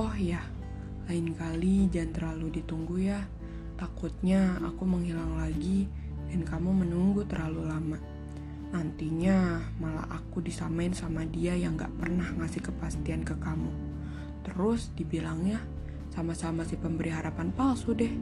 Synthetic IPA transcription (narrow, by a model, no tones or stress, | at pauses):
ɔhja | laɪnkalid͡ʒant̪ərlaludit̪uŋɡuja | t̪akut̪̚ɲaa̰kuməŋɦilaŋlaɡi | dankamumənuŋɡut̪ərlalulama | nant̪iɲamala̰ʔakudisamaɪnsamadiajaŋɡa̰ʔpərnahŋasɪhkəpast̪iankəkamu | t̪əɾʊsdibilaŋja | samasamasihpəmbəɾiɦaɾapanpalsudɛh